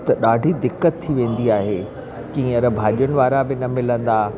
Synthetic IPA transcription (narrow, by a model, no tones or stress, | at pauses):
t̪ɐɗaːɖʱid̪ɪkːət̪ʰːiʋẽːn̆d̪iaːɦeː | kĩːɐɾɐbʱaːʄijʊnɪ̆ʋaːɾabɪnɐmɪlə̃nd̪aː